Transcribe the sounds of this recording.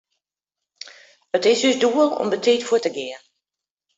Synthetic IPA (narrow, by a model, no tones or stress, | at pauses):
ətɪsøsduəlɔ̰mbətʰiːtfuətəɡɪən